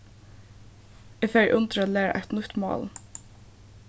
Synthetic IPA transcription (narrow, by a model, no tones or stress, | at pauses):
eːɡfeːɹʔʊnt̪ɾaːlæːɾa̰ʔɛ̰t̪nʊht̪mɑ̰ːl